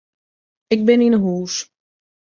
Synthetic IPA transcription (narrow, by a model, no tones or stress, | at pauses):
ɪɡ̚bɪninəɦuːs